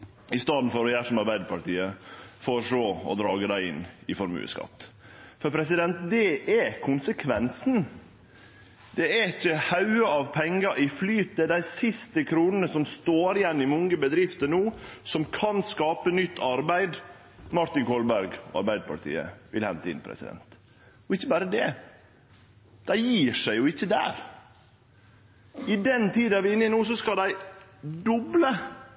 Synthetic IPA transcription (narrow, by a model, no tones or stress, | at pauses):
ɪst̪ɑːd̪n̩fɔɾɔjæːʂɔmɑɾbæɪd̪əpʰɑʈiːəfɔɾʂloːɔ̰d̪ɾɑːɡəd̪æɪɪnːɪfɔɾmʉ̰ːə̰skɑ̰t̪ː | fɔɾpʰɾɛs̬ɪd̪ɛnt̪̚d̪ɛʔɛkʰʊnsəkʰʋɛnsn̩ | d̪̥ɛæɪçəhɑʉəɑʋpʰɛŋːəʔɪflyːt̪̚d̪ɛɛd̪æɪsɪst̪əkʰɾuːnənəsɔmst̪oːɾɪjɛnːɪmʊŋəbəd̪ɾɪft̪ənuːsɔmkʰɑnskɑːpənʏt̪ʰːɑɾbæɪd̪ | mɑɾt̪ɪŋkʰɔlbæɾɡɑ̰ɾbæɪd̪̚pʰɑ̰ɾt̪ʰḭːə̰ʋɪ̰lhɛ̰nt̪əɪ̰npʰɾɛ̰sɪ̰d̪ɛ̰nt̪ | ɔɪçːəbæːɾəd̪ɛ | d̪̥æɪjiːʂæɪjʊɪçːəd̪æ̰ːɾ | ɪd̪ɛnt̪ʰiːd̪ɑʋɪnːɪnuːsɔskɑd̪æɪd̪ɔblə